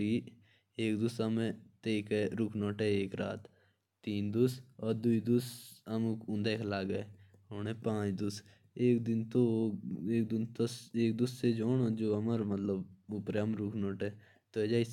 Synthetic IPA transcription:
iː | eːkd̪ʊsəmẽt̪eːkeɾʊkʰnɔːʈɛeːkɾa̰ːt̪ː | iːnd̪ʊsɔːɾd̪uid̪ʊsəmʊ̃nd̪ekʰlaːɡəe | ɦoːnẽpãːt͡ʃd̪ʊs | eːk̚d̪ɪnt̪oeːk̚d̪ɪnt̪oseːk̚d̪ʊssed͡ʒoːnod͡ʒoːəməɾmət̪ləbʊpɾeəmɾʊkʰnɔːʈɛː | t̪oed͡ʒaːis

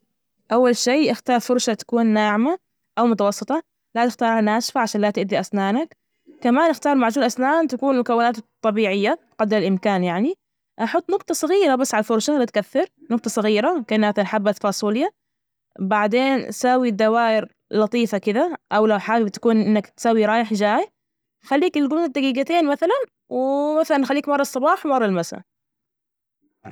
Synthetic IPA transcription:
ʔawːalʃiːʔɪxt̪ɑːɾˤfʊɾˤʃat̪ḁkuːnːaːʕma | ʔawmʊt̪ɑwɑsˤːɨt̪ˤɑ | lat̪ɪxt̪ɑːɾˤhanaːʃfaʕaʃaːnlat̪ɪʔd̪iʔasnaːnak | kamaːnʔɪxt̪ɑːɾˤmaʕd͡ʒuːlʔasnaːnt̪akuːnmʊkawːɪnaːt̪t̪ˤːɑbiːʕɪjːa | qɑd̪lalʔɪmkaːnjaʕni | ʔɑħʊt̪ˤːnʊqt̪ˤɑsˤɨɣiːɾabasːʕalfʊɾˤʃalat̪kaθːɪɾnʊq̚t̪ˤɑsˤɨɣiːɾaɪmknːʔaθnħabːat̪fɑːsˤulɪjːa | baʕd̪eːnʔasaːwid̪ːawaːjɪɾ | lɑt̪ˤiːfɑkɪd̪aʔawlawħaːlbt̪ḁkuːnʔʔɪnːakt̪saːwiɾˤɑːjɪħʒaːj | xalːiːkɪlɡʊmnad̪ːaɡiːɡat̪eːnmaθalan | wɪmaθalanxalːiːkmɑrˤːɑsˤːɑbɑːħwmɑrˤːɑlmasa̰

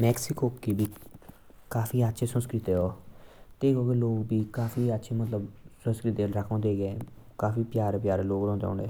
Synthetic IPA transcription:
mɛːksɪkoːkiːbiː | kaːfʰiːətːʃʰeːsənskɾɪt̪eːoːt̪eːkoːkeloːɡbiːkaːfiːətːʃʰeːmət̪ləbsə̃nskɾɪt̪eːɾəkʰõːd̪eːɡeː | kaːfiːpjaːɾepjaːɾeloːɡɾɔ̃ːnd̪ḛʊ̰̃ːɳeː

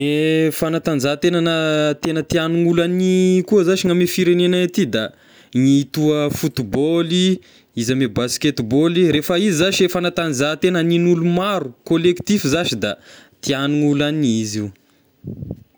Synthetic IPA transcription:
efanat̪and͡zat̪enənət̪enət̪ianuŋulanikuəzaʃiŋamefiɾenenaat̪id̪a | ŋit̪uəfut̪iboli | izamebasket̪boliɾefəizizaʃiefanat̪and͡zat̪enəninulumaɾukolekt̪ifizaʃid̪a̰t̪ianuŋulaniziw

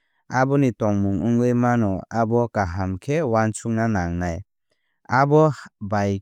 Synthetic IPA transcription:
abɔnitɔŋmuŋuŋɡɯjmanɔabɔkaɦamkʰewansuŋnanaŋnaj | abɔbaj

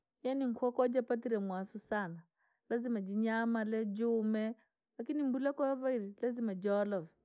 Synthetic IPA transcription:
janiŋ̩kʰwɔkɔd͡ʒapat̬iɾɛmwasusana | lazimad͡ʒiɲamalɛd͡ʒumɛ | lakinimbulakɔavaiɾilazimad͡ʒɔlɔvɛ

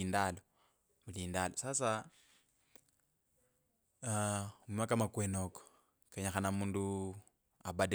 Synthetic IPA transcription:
indalo | muliːndalosasa | umimakamakwenoko̥ | keɲaxanamuːndu | a̰bade

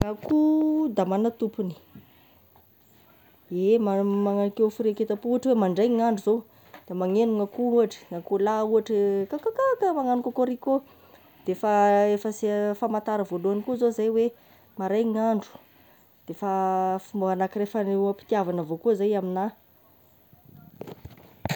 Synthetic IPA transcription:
ŋakud̪amanət̪upuni̥ | emamaŋanikefuɾeket̪apuuaʈ͡ʂiwemaɳɖ͡ʐajŋaɳɖ͡ʐuzo | d̪̥emaŋenuŋakuuaʈ͡ʂə̥ŋakulauaʈ͡ʂəkakakakəmaŋanukakoɾiko | d̪̥efaefəsfamant̪aɾəvoluanikuzozajwe | maɾajŋaɳɖ͡ʐu̥ | d̪̥efafimbuɦanakirefaneuapi̥t̪iavanəvokuzajamina

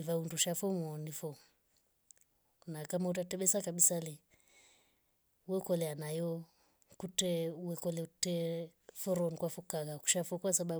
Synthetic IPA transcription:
ivaunduʃafɔmɔnifɔ | nakamaut̬atɛɓɛsakaɓisalɛ | uwɛkɔlɛanajɔ | kutɛuwɛkɔlɛutɛfɔɾɔnkwafɔkaɣaku̥ʃafɔkwasaɓa

